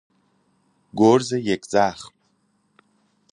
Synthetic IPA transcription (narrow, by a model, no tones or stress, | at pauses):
ɡʷorzajekʼd͡zaːχpʼ